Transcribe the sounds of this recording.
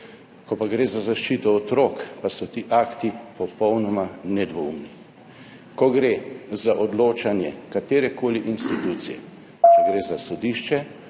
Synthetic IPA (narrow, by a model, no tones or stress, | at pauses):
kɔpaɡɾeːzazaʃt͡ʃiːt̪ɔːt̪ɾoːkpasɔt̪iʔaːkt̪ipɔpɔwnɔmanɛd̪ʋoumni | kɔɡɾeːzaʔɔd̪loːt͡ʃanjɛkat̪eːɾɛkʰoːliʔinst̪it̪uːt̪sijɛ̰ | t͡ʃɛɡɾeːzasɔd̪iʃt͡ʃɛ